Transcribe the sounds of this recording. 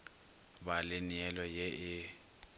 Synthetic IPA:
balɪniɛlɔjɛʔɪ

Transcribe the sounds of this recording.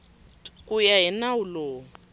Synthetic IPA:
kʼujaɦɛnauloː

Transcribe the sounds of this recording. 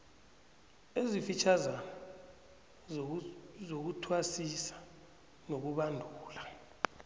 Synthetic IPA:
ezifit͡ʃʰazana | zok̬utʰwasisḁ | nok̬uɓandʱuːla

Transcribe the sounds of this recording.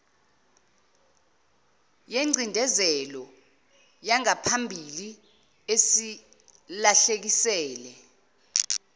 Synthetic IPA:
jeŋ͡ǀʱindʱɛzɛlɔ | jaŋapʰambʱili | esi | laɬek̬isɛːlɛ

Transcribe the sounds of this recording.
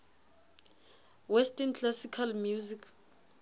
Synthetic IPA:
wɛstʼɛnt͡ɬʰlasikʰalmjuzik

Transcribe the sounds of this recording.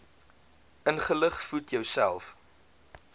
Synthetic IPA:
ʔənχələχfutjœwsæ̰lˠf

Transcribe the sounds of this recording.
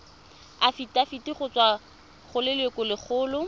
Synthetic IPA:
afitʼafitiχʊt͡swa | χʊlɪlwekʊlɪk͡xʰʊːlʊ

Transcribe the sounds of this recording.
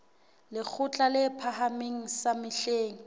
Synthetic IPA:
lɪk͡xʰʊt͡ɬʼalɪpʰaɦameŋ̩samɪɬeːŋ̩

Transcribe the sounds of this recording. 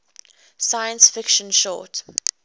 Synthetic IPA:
sajə̃nsfɪkʃə̃nʃɔ̰t

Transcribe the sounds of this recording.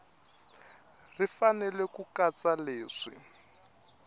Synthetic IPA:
rifanɛlɛkukat͡saleːʂḭ

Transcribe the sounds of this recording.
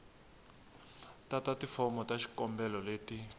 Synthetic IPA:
tatatifɔmɔtaʃi̥kɔmbɛlɔleːti

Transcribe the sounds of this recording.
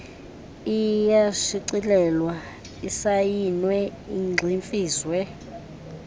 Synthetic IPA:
ijaʃiǀilɛlwa | isajinwɛiŋ͡ǃʱiɱfiːswɛ

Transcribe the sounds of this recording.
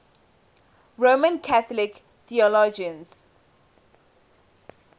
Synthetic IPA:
ɹomə̃nkʰaθɔlɪk | θiɔlɔd͡ʒə̃ns

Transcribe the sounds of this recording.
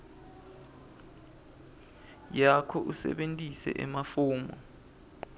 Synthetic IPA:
jakʰɔʔusɛ̰ɓentʼisɛ̰ʔɛmafuːmɔ

